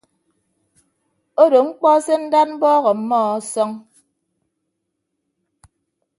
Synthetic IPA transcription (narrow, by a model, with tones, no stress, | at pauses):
o˦do˨ŋ͡m̩˦k͡pɔ˦se˦n̩˦da˦t̚m̩˦bɔː˦ɣɔ˨m̩˦mɔ˦˨ɔ˦sɔ˦ŋ